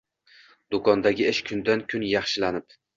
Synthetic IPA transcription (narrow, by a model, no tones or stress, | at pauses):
d̪ʊkʰɒnd̪aɡʲɪɪʃkʰʊnd̪ankʲʰʊnjɑχʃɪlanɪp̚